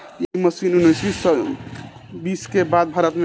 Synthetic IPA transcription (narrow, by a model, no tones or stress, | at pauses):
iməsinunəjt͡ʃʰis | biskebad̪̚bʱaɾət̪me